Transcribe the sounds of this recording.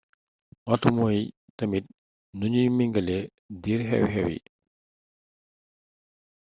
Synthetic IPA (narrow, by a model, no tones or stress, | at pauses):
ʔɔtumoj | tɐmit̚ | nuɲujmiŋɡɐlɛ | diɾɦɛ̰whɛwḭ